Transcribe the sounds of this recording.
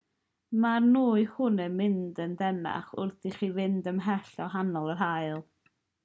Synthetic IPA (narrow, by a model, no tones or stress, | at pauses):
marnuːɨhʊnɛmɪndəndɛna̰χʊ̰rθiχivɪndəmɦɛɬɔɦanɔlˠərɦaɨlˠ